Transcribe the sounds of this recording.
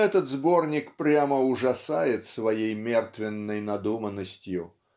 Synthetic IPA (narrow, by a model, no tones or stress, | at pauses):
ɛt̪ət̪zbo̞rnʲɪkpɾʲaməʊʐɐsajɪt̪svɐjejmʲert̪vʲɪnːəjnɐd̪umənːəsʲtʲjʊ